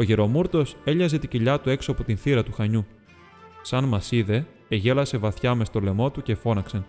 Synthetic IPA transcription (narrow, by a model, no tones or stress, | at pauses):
o̞ʝe̞ɾo̞muɾt̪o̞se̞ʎɐze̞t̪iciʎɐt̪ue̞ksoɐpo̞t̪inθiɾɐt̪uxɐɲu | sɐnmɐsiðe̞ː | ʝe̞lɐse̞vɐθçɐme̞st̪o̞le̞mo̞t̪uce̞fo̞nɐksen